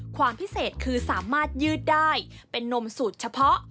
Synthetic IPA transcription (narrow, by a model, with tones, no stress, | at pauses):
kʰwaː˧mpʰi˦˥seː˨˩t̪̚kʰɯː˧saː˩˦maː˥˩t̪̚jɯː˥˩t̪̚daː˥˩j | pe˧nːo˧msuː˨˩t̪̚t͡ɕʰa˧pʰɔ˦˥ʔ